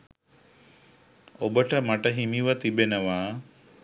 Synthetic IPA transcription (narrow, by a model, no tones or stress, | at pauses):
obəʈəmaʈəɦimiʋət̪ibenəʋaː